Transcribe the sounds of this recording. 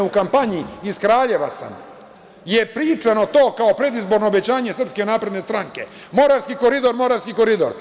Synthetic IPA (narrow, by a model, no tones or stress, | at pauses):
ukampaɲiiskɾaːʎe̞ʋa̰sa̰m | jepɾiːt͡ʂano̞t̪o̞ːkao̞pɾe̞d̪izbo̞ɾnoːbe̞t͡ɕaːɲe̞sr̩pske̞naːpɾe̞d̪nest̪ɾaŋke̞mo̞ɾaʋskiko̞ɾid̪o̞ɾmo̞ɾaʋskiko̞ɾid̪o̰ɾ